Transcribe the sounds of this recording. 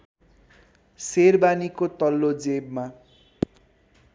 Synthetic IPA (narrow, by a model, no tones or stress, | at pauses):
serbanikot̪ʌlːod͡zebma